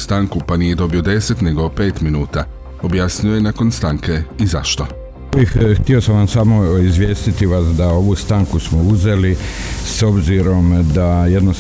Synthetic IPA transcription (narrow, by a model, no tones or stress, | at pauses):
st̪aːŋkupanije̞d̪o̞bio̞d̪e̞se̞t̪neɡo̞pe̞ːt̪minuːt̪a | o̞bjasɲuojenako̞nst̪aːŋke̞iza̰ʃt̪o | biht̪iosamʋamsamoizʋje̞ːst̪it̪iʋasd̪ao̞ʋust̪aŋkusmo̞uze̞liso̞bziɾo̞md̪aje̞d̪no